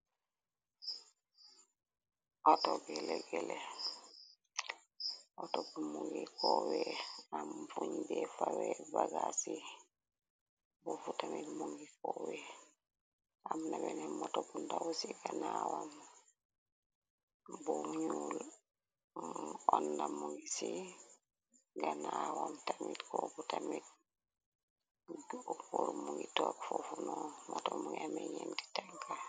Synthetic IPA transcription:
ʔɔtɔɡɛlɛɡɛlɛ | ʔɔtɔbumuŋɡikɔwɛamfuɲbɛfawɛbaɡasi | bɔfutamilmuŋɡikɔwɛ | amnabenematobundawusiɡanawam | bumɲuːl | ɔndamuŋɡisi | ɡanawamtamitkobutamit̚ | kuɾumuŋɡitokfofunomatomuŋameɲenti̥taŋka

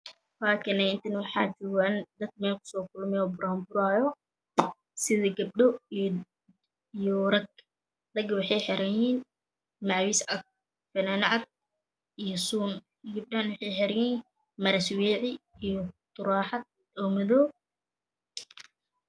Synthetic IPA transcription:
laːkʰɪnɐɪnt̪ʰɐnwɑħɑːt͡ʃʊɣand̪ɐd̪̚kmɛːlkʰʊ̥sɔːkʰʊlmɛɔːbʊɾhɐmbʊɾaːjɔ | sɪðɐɡɐb̚ɗɔ | ijɔɾɐɡ | d̪ɐɡwɑħɑjħɛɾɐjiːn | mɑʕwiːsɐk̚ | fɐnanɐʕɑd̪̚ | ijɔsuːn | ɡɐb̚ɗanwɑħɑjħɛɾiːn | mɐɾɐswɛːʕɪijɔt̪ʊɾaːħɑd̪̚ | ɔːmɐðɔː

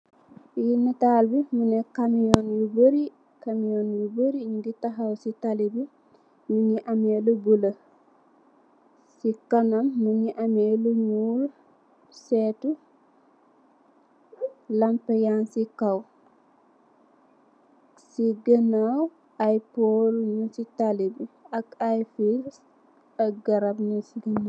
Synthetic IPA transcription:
jinitaːlbimunekamijoːnjuboɾi | kamijoːnjuboɾiɲɡitaɦawsitalibi | muɲiʔamelubulɐ | sikɐnɐmːuɲiʔameluɲuːl | sɛːtu | lɐmpɐjansikɐw | siɡənaw | ʔɐjpolɲusitalibiɐkajfis | ɐɡɐɾɐbnusiɡəna

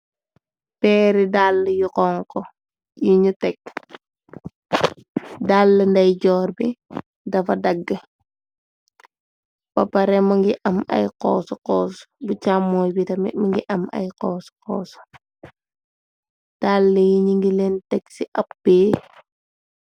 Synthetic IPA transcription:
pɛːɾidalːəjuqɔŋkɔ | juɲutɛk̚ | dalːəndɐjɟɔːrbi | dɐfɐdɐɡːə | pɐpɐɾɛmɐŋɡiʔɐmɐ̰jqɔːsuqɔːsbut͡ʃamːɔjbitɐmimɐŋɡiʔɐmɐ̰jqɔːsqɔːsu̥ | d̥alːəjiɲiŋɡilentɛksiʔɐp̚beː

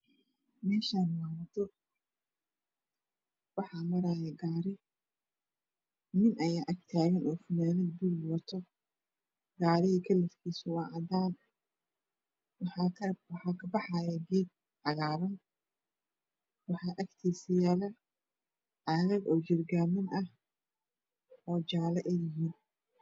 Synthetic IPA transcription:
mɛːʃaːnmaːmɐt̪ʰɔ | wɑħɑmɐɾaːjɐɡaːɾɪ | mɪnʔɐjaːʔɐɡt̪ʰaːɣɐnʔɔːfʊnaːnɐd̪̚bɪlwɐt̪ʰɔ | ɡaːɾɪɦikʰɐlːɐfkʰiːsʊwɑːʔɐd̪aːn | wħɑwɑħɑːkʰɐbɑħɑːjɛɡiːd̪̚ | ʕɑɣaːβɐn | wɑħɑːʔɐkt̪ʰiːsɪjaːlɐ | ʔɐɣɐɡɔːd͡ʒɪrɡaːmɐnʔɐh | ɔːd͡ʒaːlɐʔɛjɪɦiːn

